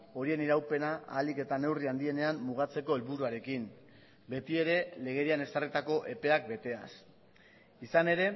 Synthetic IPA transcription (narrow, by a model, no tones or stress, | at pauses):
o̞ɾie̞niɾawpe̞naʔa̰ːlike̞t̪ane̞wriand̪ie̞ne̞ammuɣ̞at͡se̞ko̞elβuɾuaɾe̞kim | be̞t̪ie̞ɾe̞le̞ɣ̞e̞ɾiane̞sarit̪ako̞ʔe̞pe̞ak̚be̞t̪e̞a̰s | isane̞ɾe̞